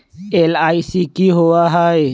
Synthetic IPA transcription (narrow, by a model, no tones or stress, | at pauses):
eːlaːisikiɦoaɦaːe